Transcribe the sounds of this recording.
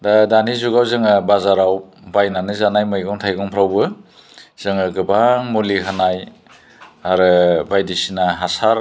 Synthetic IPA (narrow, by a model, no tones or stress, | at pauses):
dadanizuɡawzɯŋɯbazaɾaw | bajnanɯzanajmɯjɡɔŋtʰajɡɔŋpʰɾawbɯ | z̥ɯŋɯɡɯbaŋmolikʰanaj | aɾɯbajdisinaɦasaɾ